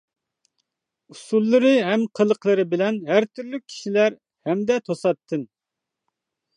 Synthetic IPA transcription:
usulˠːɨɾɨɦɛmqʰəlˠəqʰlˠɨɾɨbɪlɛnɦæɾt̪ʰyɾlyk̚ʲʰːi̥ʃilæɾ | hɛmd̪ɛt̪ʰosɑt̪ʰːɨn

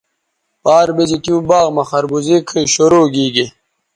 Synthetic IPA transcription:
paːɾbezit̪iũbaːɣmɐxɐɾbuzikʰəɕoɾoːɡiːɡi

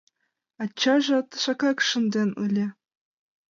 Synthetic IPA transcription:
ɑt͡ɕːɑʒɑt̪ʃɑkɑkʂɤ̆nd̪ʲenṵlʲĕ

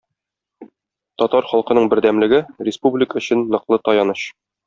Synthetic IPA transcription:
t̪ɒt̪ɑɾχɒlˠqɤ̆nɤɴbɘ̆ɾd̪æmlɘ̆ɡɘrʲɪspublʲɪkəɵ̆ɕɘnːɤ̆qlˠɤt̪ɒjɑnɤɕ

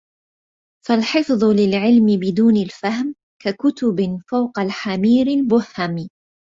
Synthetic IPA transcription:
falħɪfðˤʊlɪlʕɪlmɪbɪd̪uːnalfahm | kakʊt̪ʊbɪfawqɑlħamiːɾɪlbʊhhamiː

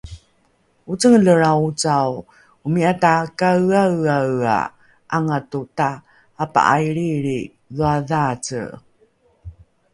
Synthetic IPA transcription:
ut͡səŋləɾaut͡saw | umiatakawawawa̰ | ʔaŋatutaː | pa̰ʔajɾiɾi | ðuaðat͡sə̰

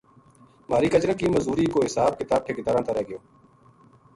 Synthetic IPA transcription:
maːɾiːkət͡ʃɾaːkiːməzuːɾiːkoːɦɪsaːb̚kɪt̪aːb̚ʈʰeːkɪt̪əɾãːt̪aːɾɛːɡɪjoː

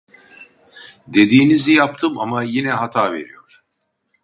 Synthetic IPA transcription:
d̪e̞d̪iːnizijap̚t̪ʰɯma̰majinɛɦat̪ʰaːve̞̰ɾijo̞̰ɾ̥

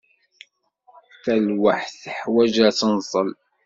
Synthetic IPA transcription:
θælwaħθəħwæʒæt͡sːənsˤəl

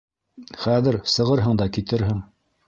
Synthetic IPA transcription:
χæðɘɾsɤ̆ʁɤɾɦɤɴd̪ɑkit̪ɘɾɦɘŋ

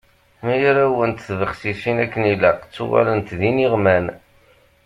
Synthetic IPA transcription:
mæjaɾæwənt̪θvəχsisinækːənilæqt͡sːṵwa̰lənt̪ðiniʁmæn

